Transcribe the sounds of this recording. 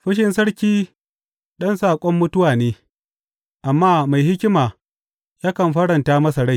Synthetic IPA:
ɸɪ˦ʃ̬ɪ˨nsɐ˦ɽkʲiː˦ | ɗɐ˦nsaː˨kʷʼɔ˦mːʊ˦tʊ˦waː˨neː˦ | ʔa˨mːaː˦ma˨jhɪ˦kʲɪ˦maː˨ | jaː˦kɐ˨mɸɐ˦ɽɐ˨ntaː˦mɐ˦sa˨ɽa˦˨j

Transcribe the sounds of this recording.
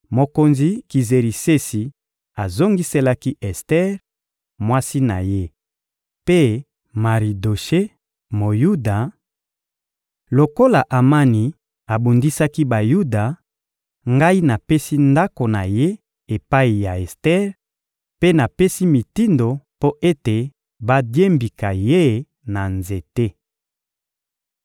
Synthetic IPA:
mo˨ko˨nzi˦ki˨ze˨ʁi˨se˦si˨ | a˨zo˦ŋɡi˦se˦la˦ki˦ʔɛ˨stɛ˦ʁ | mwa˦si˦na̰˨je˦ | pe˦ | ma˨ʁi˨do˨ʃe˦ | mo˨ju˦da˨ | lo˨ko˦la˨ʔa˨ma˦ni˨ | a˨bu˨ndi˦sa˦ki˦ba˨ju˦da˨ | ŋɡa˦i˦na˨pe˦si˦nda˦ko˨na˨je˦ | e˨pa˦i˨ja˨e˨stɛ˦ʁ | pe˦na˨pe˦si˦mi˨ti˦ndo˨po˦ʔe˦te˨ | ba˦dje˦mbi˨ka˨je˦ | na˨nze˨te˦

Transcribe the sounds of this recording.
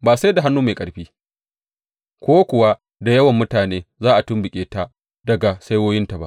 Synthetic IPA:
baː˨sa˦jda˨ɦa˦nːuː˦ma˨kʼɐ˨ɽɸiː˦ | kʷoː˦kʷʊ˨wa˦ | da˨jɐ˦wɐ˨mːʊ˦taː˨neː˦zaː˦ʔa˨tʊ˦mbɪ˨kʲʼeː˨ta˦ | dɐ˨ɡa˨sa˦jwoː˦jɪ˦nta˨ba̰˦ʔ

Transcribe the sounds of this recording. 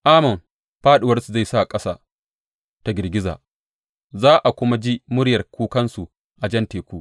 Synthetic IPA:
ʔaː˦mɐ˨m | ɸaː˦ɗɪ˨wɐ˦rsu˨za˦˨jsa˦˨kʼɐ˦saː˦ | ta˨ɡʲɪ˨rɡʲɪ˦za̰ː˨ | zaː˦ʔa˨kʷʊ˦ma˦d͡ʒi˦mʊ˦ɽjɐ˨rkʷuː˦kɐ˦nsu˨ | ʔa˨d͡ʒɐ˦nteː˨kʷuː˦ʔ

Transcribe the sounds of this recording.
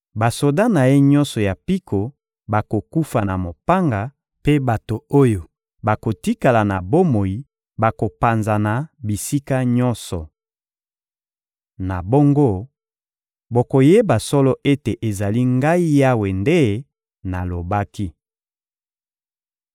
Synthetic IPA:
ba˨so˨da˦na˨je˦ɲɔ˦nsɔ˨ja˨pi˦kʰo˨ | ba˨ko˨ku˦fa˨na˨mo˨pa˦ŋɡa˨ | pe˦ba˨to˨o˦jo˨ | ba˨ko˨ti˦ka˨la˨na˨bo˦mo˨ji˨ | ba˨ko˨pa˨nza˨na˨bi˨si˦ka˦ɲɔ˦nsɔ̰˨ | na˨bo˦ŋɡo˦ | bo˨ko˨je˦ba˨sɔ˦lɔ˦ʔe˦te˨ʔe˨za˨li˦ŋɡa˦i˦ja˦we˨nde˦ | na˨lo˨ba˦ki˦

